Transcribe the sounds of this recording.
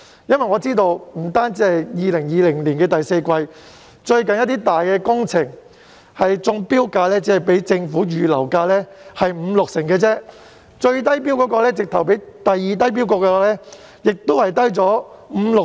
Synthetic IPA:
jɐ˥nwɐ˨jŋɔː˨˧t͡siː˥t̪o˧wm̩˨˩t̪aː˥nt͡siː˨˥hɐ˨jjiː˨˧lɪ˨˩ŋjiː˨˧lɪ˨˩ŋliː˨˩nkɛː˧t̪ɐ˨jse˧jkʷwɐ˧j | t͡ʃɵ˧ɥkɐ˨njɐ˥t̪iː˥t̪aː˨jkɛː˧kʊ˥ŋt͡sʰɪ˨˩ŋ | hɐ˨jt͡sʊ˧ŋpiː˥wkaː˧lɛː˥t͡si˨˥hɐ˨jpe˨˥jt͡sɪ˧ŋfuː˨˥jyː˨˧lɐ̰˨˩wkaː˧lɛː˥hɐ˨jm̩ː˨˧lʊ˨k̚sɪ˨˩ŋkɛː˧t͡sɛː˥ | t͡ʃɵ˧ɥt̪ɐ˥jpiː˥wkɔː˨˥kɔː˧lɛː˥t͡sɪ˨k̚t̪ʰɐ˨˩wp̬e˨˥jt̪ɐ˨jːiː˨˧t̪̬ɐ˥jp̬i˥wkɔː˧kɛː˧waː˧˥lɛː˥ | jɪ˨k̚t̪o˥whɐ˨jt̪ɐ˥jt͡sɔː˨˥m̩ː˨˧lʊ˨

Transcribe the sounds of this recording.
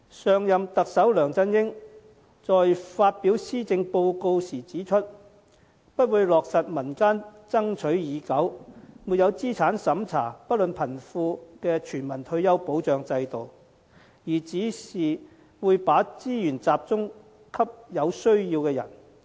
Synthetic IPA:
sœː˨ŋjɐ˨mt̪ɐ˨k̚sɐ˨˥wlœː˨˩ŋt͡sɐ˥njɪ˥ŋ | t͡sɔː˨jfaː˧t̚pi˨˥wsiː˥t͡sɪ˧ŋpo˧wko˧wsiː˨˩t͡siː˨˥t͡ʃʰɵ˥t̚ | pɐ˥t̚wuː˨˧jlɔː˨k̚sɐ˨t̚mɐ˨˩nkaː˥nt͡sɐ˥ŋt͡ʃʰɵ˨˥ɥjiː˨˧kɐ˨˥wmuː˨t̚jɐ˨˧wt͡siː˥t͡sʰaː˨˥nsɐ˨˥mt͡sʰa̰ː˨˩pɐ˥t̚lɵ˨npʰɐ˨˩nfuː˧kɛː˧t͡ʃʰyː˨˩nmɐ˨˩nt̪ʰɵ˧ɥjɐ˥wpo˨˥wt͡ʃœː˨ŋt͡sɐ˧jt̪o˨w | jiː˨˩t͡siː˨˥siː˨ | wuː˨˧jpaː˨˥t͡siː˥jyː˨˩nt͡saː˨p̚t͡sʊ˥ŋ | kʰɐ˥p̚jɐ˨˧wsɵ˥ɥjiː˧wkɛː˧jɐ̰˨˩n

